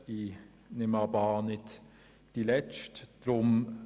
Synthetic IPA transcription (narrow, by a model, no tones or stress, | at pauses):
i | nɪmɑbɑːnɪt | d̥ilɛt͡ʃtd̪̥ɾʊm